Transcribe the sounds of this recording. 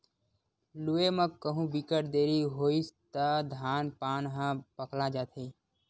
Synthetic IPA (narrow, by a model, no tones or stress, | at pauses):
lueːmə̃kːəɦũːbikəʈd̪eːɾiɦoːist̪ad̪ʱaːnpaːnɦãːpəklaːd͡ʒaːt̪ʰeː